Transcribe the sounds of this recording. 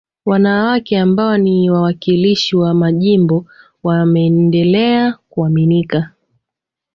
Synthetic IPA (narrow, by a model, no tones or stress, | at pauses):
wanawakɛambaɔniwawakiliʃiwamaʄimbɔ | wamɛːndɛlɛakuaminika